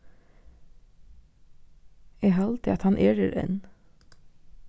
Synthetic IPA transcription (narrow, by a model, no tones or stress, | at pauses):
eːhɑːlt̪ʰɪɑt̪hɑnʔeːɹəɾɛ̰n